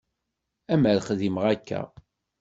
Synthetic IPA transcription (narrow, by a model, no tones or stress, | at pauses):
æməɾχðiməʁækʰːæ̰